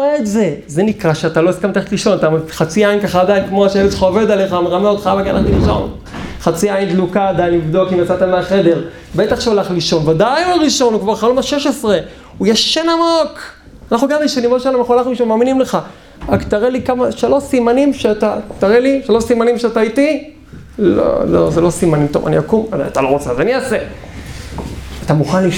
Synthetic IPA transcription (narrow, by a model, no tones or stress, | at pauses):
eːtze̞ze̞nikʁaʃeat̪alo̞iskamt̪eeet̪liʃo̞nat̪aχat͡siainkaχaːd̪ajnkmoaʃeevet̪lχaove̞d̪aleχameʁameot̪χajavakea̰lʔaχtiliʃo̰n | χat͡siaind̪lukaːd̪ajinlivd̪o̞kimjat͡sat̪ameaχe̞d̪e̞ʁ | bet̪aχʃeolaχliʃo̞nvad̪ajuaʁiʃo̞nukvaʁχaolmaʃeʃesʁe̞ | ujaʃenamok | anaχnuɡamliʃanimotʃeananaχualaχuiʃamaːminimleχa | akt̪aʁelikamaʃelo̞simanimʃeat̪at̪aʁeliʃelosimanimʃeat̪aiti | lo̰lo̰zelo̞simanimt̪ova̰niakumaat̪alo̞ʁot͡seazaniase | at̪amuχanli